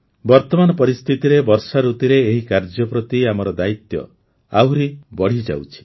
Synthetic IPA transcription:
bɔɾt̪ɔmanɔpɔɾist̪ʰit̪iɾebɔɾsaɾut̪iɾeːɦikaɾd͡ʒɔpɾɔt̪iamɔɾɔd̪ait̪jɔ̰ | a̰wɾibɔɽ̤id͡ʒa̰wt͡ʃʰi̥

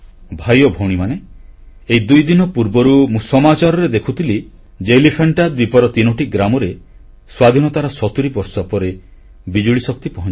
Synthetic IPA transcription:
bʱajɔbʱowɽ̃imane | eid̪ujd̪inɔpuɾbɔɾumũsɔmat͡ʃaɾɔɾed̪ekʰut̪ʰili | d͡ʒelipʰeɳʈad̪̚bipɔɾɔt̪inɔʈiɡɾamɔɾe | swad̪ʱinɔt̪aɾɔsɔt̪uɾibɔɾsɔpɔɾe | bid͡ʒuɭisɔk̚t̪ipɔɦɔ̃

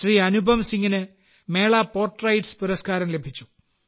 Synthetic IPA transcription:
riːɐnubʱɐmsiŋːinɨ | me̞ːɭaːpo̞ːrʈrɐjʈspuɾɐskaːɾɐmlebʱit͡ɕːu̥

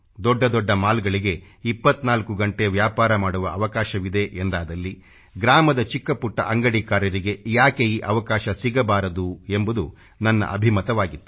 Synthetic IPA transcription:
d̪ɔɖːɐd̪ɔɖːɐmaːlɡɐɭiɡe̞ | ipːɐt̪ːnaːlkuɡɐɳʈeʋjaːpaːɾɐmaːɽuʋɐɐʋɐkaːʃɐʋid̪e̞ʔend̪aːd̪ɐlːi | ɡɾaːmɐd̪ɐt͡ʃikːɐpuʈːɐ̰ʔɐŋɡɐɽikaːɾjɐɾiɡe̞jaːkeiʔɐʋɐkaːʃɐsiɡɐbaːɾɐd̪ue̞mbud̪u | nɐnːɐ̰ʔɐ̰bʱimɐt̪ɐʋaːɡit̪ːu̥

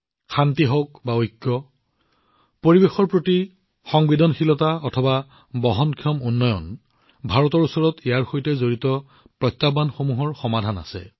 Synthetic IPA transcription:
xʰantiɦɔk̚baojkːɔ | poɹibexɔɹpɹoti | xɔŋbidɔnxilɔtaɔtʰɔba | bɔɦɔnkʰiɔmunːɔjɔ̰n | bʱaɹɔtɔɹusɔɹɔtʰijaɹxojtɛzoɹitɔ | pɹɔtːabanxomuɦɔɹxɔmadʱana̰sɛ̰

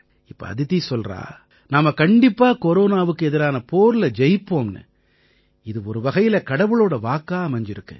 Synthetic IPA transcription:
ɪpːɐ̰ɐ̰ðɪðisɔlɾa̰ː | naːmɐkɐɳɖɪpːaːkɔɾoːnaːʋɯkːɯɛðɪɾaːnɐpoːɾɯlɐd͡ʒɛjpːoːmnɯ̰ | ɪðɯɔɾɯʋɐɣɐjɪlɐkɐɽɐʋɯɭoːɽɐʋaːkːaːɐmɐɲd͡ʒɪɾɯkːɯ̰

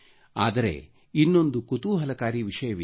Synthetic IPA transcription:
a̰ːd̪ɐɾe̞̰ | inːo̞nd̪ukut̪uːɦɐlɐkaːɾiʋiʂɐjɐʋi

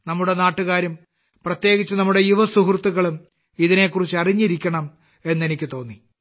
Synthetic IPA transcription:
nɐmːuɽe̞naːʈːuɣaːɾum | prɐt̪je̞ːɣit͡ɕːɨnɐmːuɽe̞juʋɐsuɦrt̪ːuɣɐɭum | iðine̞ːkːurit͡ɕːɨɐriɲːiɾikʲːɐɳɐm | e̞nːe̞nikʲːɨt̪o̞ːnːi

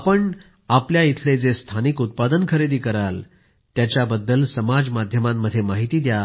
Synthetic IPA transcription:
apəɳ | apljait̪ʰled͡zest̪ʰanikut̪̚pad̪ənkʰəɾed̪iːkəɾal | t̪jat͡ɕjabəd̪ːəlsəmad͡zmad̪ʱjəmamːəd̪ʱːjemaɦit̪iːd̪ja

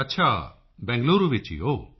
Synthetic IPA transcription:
ɐtːt͡ʃʰa | bɛ̃ŋɡluɾubet͡ʃḭo

